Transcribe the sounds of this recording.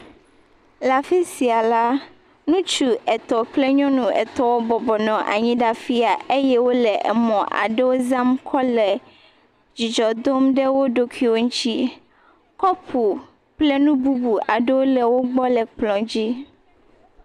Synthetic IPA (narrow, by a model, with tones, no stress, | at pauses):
la˨fi˦si˨a˨la˦ | nũ˦t͡ʃu˦ɛ˨t̪ɔ˨k͡plɛ˦ɲɔ̃˦nũ˨ɛ̰˨t̪ɔ˦wo˦bɔ˨bɔ˨nɔ̃˨ʔa̰˨ɲĩ˦ɖa˦fi˦a˨e˦jɛ˦wo˦lɛ˨ʔɛ̰˨mɔ̃˨ʔa̰˨ɖe˦wo˦za˦mkʰɔ˦lɛ˨ | d͡ʑi˨d͡ʒɔ˨d̪o˦mɖɛ˦wo˦ɖo˦kʰi˦wo˦ŋũ˦t͡ɕi˦ | kɔ˦pʰu˨ | k͡plɛ˦nũ˦bu˦bu˨a˨ɖe˦wo˦lɛ˨wo˦ɡ͡bɔ˦lɛ˨k͡plɔ̃˨d͡ʑi˦